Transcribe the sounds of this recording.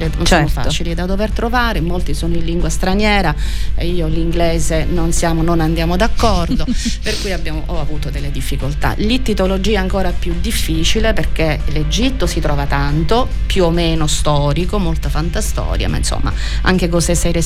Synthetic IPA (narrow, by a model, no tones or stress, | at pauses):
ɾenonssɛamofa̰ːt͡ʃilid̪ad̪overt̪ɾovaːɾemolt̪isoːnoinliŋɡwast̪ɾanjɛːɾaiːoliŋɡleːzenonsjaːmononand̪jaːmod̪akːɔrd̪operkuːjabjaːmoʔɔavuːt̪od̪elːed̪ifːikolt̪a̰lit̪ːit̪olod͡ʒiːaŋkoːɾapjud̪ifːiːt͡ʃileperkeled͡ʒit̪ːosit̪ɾɔːvat̪ant̪opjuomːeːnost̪ɔːɾikomolt̪afant̪ast̪ɔ̰ːɾja̰ma̰ḭnso̰mːa̰ | a̰ŋk̟ekosesɛjɾe